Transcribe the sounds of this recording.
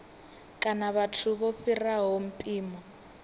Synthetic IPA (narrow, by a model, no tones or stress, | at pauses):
kʼanaβatʰuβoɸiraɦom̩pʼiːmɔ